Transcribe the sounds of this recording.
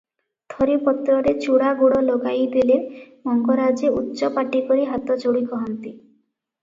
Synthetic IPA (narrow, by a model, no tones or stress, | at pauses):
t̪ʰɔɾipɔt̪ɾɔɾet͡ʃuɽaɡoɽɔloɡajd̪ilemɔŋɡɔɾad͡ʒeutːʃɔpaʈikoɾiɦat̪ɔt͡ʃoɽikɔɦɔnt̪i